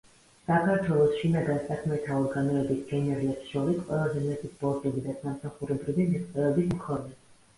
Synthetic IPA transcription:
sakʰaɾt̪ʰwɛlˠɔsʃinaɡansakʰmɛt̪ʰaɔɾɡanɔɛbisɡ̥ɛnɛɾlɛpsʃɔɾisqʼwɛlˠazɛmɛt̪ʰispʼɔɾt̪ʼɛbid̪asamsaχuɾɛbɾivimiχt̪sʼɛvɛbismkʰɔnɛ

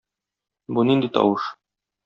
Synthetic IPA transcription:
bunind̪it̪ɒ̰wɤʃ

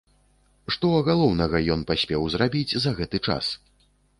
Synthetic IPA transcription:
ʂt̪ɔɐɣalˠɔwnɐɣɐjɔnpasʲpʲɛwzrabʲid͡zʲzɐɣɛt̪ɨt͡ʂa̰s

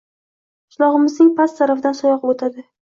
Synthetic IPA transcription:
qʰɪʃlˠɒʁɨmɪznɪŋpʰast̪t̪ʰaɾafd̪ansɒjɒqot̪ʰad̪ɪ

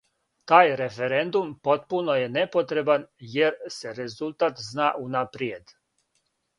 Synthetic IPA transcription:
t̪aːjɾefeɾend̪umpo̞t̪puno̞jene̞pot̪ɾe̞banjeɾse̞ɾe̞zulˠt̪at̪znaːʔunapɾied̪

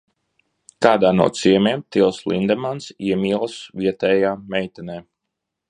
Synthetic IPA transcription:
kaːd̪aːnṵɔt̪siɛmiɛmt̪ilˠslind̪ɛmansiɛmʲiɛlˠsvʲiɛt̪ɛːjaːmɛjt̪ɛnɛː

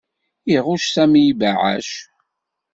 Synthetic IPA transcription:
iʁʊʃsæmjivaʕa̰ʃ

